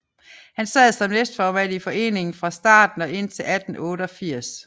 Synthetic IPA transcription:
hænsɛð̩ˠsɒ̽mnesd̥fɒːʋæl̰ifɒ̽e̝̰ːne̝ŋn̩fʁɑ̈sd̥ɑ̰̈ːd̥n̩ɒ̽ʔe̝n̰t͡sʰe̝læd̥n̩ɔ̽ːɾəɒfiɐ̰s

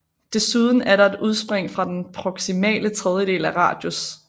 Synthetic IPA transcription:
d̥e̝suð̞ˠn̩æɐɾɑ̈e̝duð̞ˠsb̥ʁeŋ̰fʁɑ̈d̥enpʰʁoɡ̥simɛ̰ːlət͡sʰʁɛð̞ˠjəɾ̥e̝̰ːlæʁɑ̰̈ːd̥jus

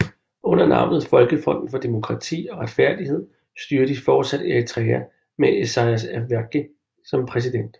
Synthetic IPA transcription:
ɔ̽n̰ɐnɑ̈ʊ̰nð̩ˠfɒ̽lɡ̥əfɒ̽n̰d̥n̩fɒ̽d̥e̝mo̝kʰʁɑ̈t͡sʰḭːɒ̽ʁäd̥fæɐ̰d̥ihe̝ð̞̰ˠ | sd̥yɐd̥ifɒːd̥sæd̥eʁit͡sʰʁɛːæ | meʔesɑ̈ɪæs̬æʋæɐɡ̥ə | sɒ̽mpʰʁɛs̬id̥en̰d̥

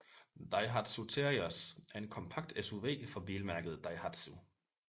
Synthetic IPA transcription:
d̥ɑ̈ɪɦɑd̥sut͡sʰeɐiɔsæɐe̝nkʰɒ̽mpʰɑ̈ɡ̥̚d̥esuʋe̝̰ːfɒ̽b̥iːlmæɐɡ̥əð̞̩ˠd̥ɑ̈ɪhɑd̥su

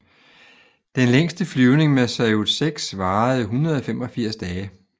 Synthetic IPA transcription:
d̥enleŋ̰sd̥əflyʊne̝ŋmesæɪu̥seɡ̥sʋɑ̈ːð̩ˠɦunɐð̞ˠɒ̽femɒ̽fiɐ̰sd̥ɛːə

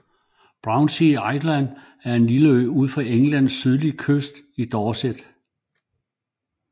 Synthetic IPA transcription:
b̥ʁɑ̈ʊnsiɑ̈ɪd̥læn | æɐe̝nliləøɪuð̰ˠfɒeŋlæn̰sːyð̞ˠlikʰøsd̥id̥ɒːsed̥

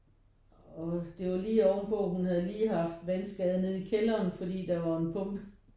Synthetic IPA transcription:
ɒ̽d̥e̝ʋɑ̈liːɒʊnpʰɔːhunhæð̞̩ˠəliːɦɑ̈fd̥ʋænsɡ̥ɛð̞ˠne̝ð̞ˠikʰelɐːnfɒ̽d̥ḭːd̥ɑ̈ʋɑ̈e̝npʰɔ̽ŋb̥ə

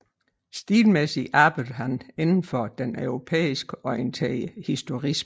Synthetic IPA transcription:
sd̥iːlmesiʔɑ̈ːb̥ɪd̥əɦæne̝nn̩fɒd̥enʔøʊʁopʰḛːisɡ̥əɒ̽ɪənt͡sʰɛ̰əhisd̥o̝ʁism

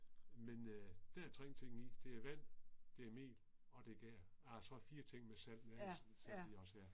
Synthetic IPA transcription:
mend̥æt͡sʰʁeŋ̰t͡sʰe̝ŋ̰n̩id̥e̝æɐʋæn̰d̥e̝æɐme̝̰ːl | ɒ̽d̥e̝ɡ̥æːɐæsɒ̽fiːɐt͡sʰe̝ŋ̰mesæl̰̥næsn̩siɒ̽sæɐ

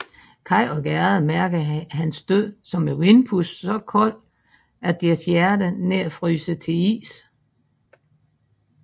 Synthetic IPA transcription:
kʰɑ̈ɪɒɡ̥æɐð̩ˠmæɐɡ̥əðɦænsd̥øð̰ˠsɒ̽mewenpʰusːɒ̽kʰɔ̽l̰ | æd̥eɐsjæɐdəneɐ̰fʁyːsət͡sʰe̝ḭːs

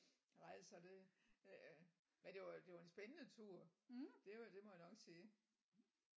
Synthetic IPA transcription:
nɑɪ̰sɒ̽d̥e̝ | mæd̥e̝ʋɑd̥e̝ʋɑ̈e̝nsb̥enənət͡sʰuɐ̰d̥e̝d̥e̝mɒ̽jænɒ̽ɡ̥siː

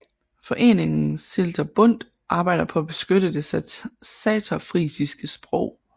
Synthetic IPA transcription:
fɒ̽ʔe̝̰ːne̝ŋn̩seld̥ʰɐb̥ɔ̽n̰d̥ | ʔɑ̈ːb̥ɑ̈ɪ̰d̥ɐpʰɒ̽æb̥e̝sɡ̥øɾəd̥e̝sɛt͡sʰɒfʁiːsisɡ̥əsb̥ʁɔʊ̰

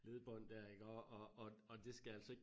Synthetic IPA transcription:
le̝ðˠb̥ɒn̰d̥æɐ̰iɡ̥ɒːɒɒɒd̥e̝sɡ̥ææl̰sɒe̥

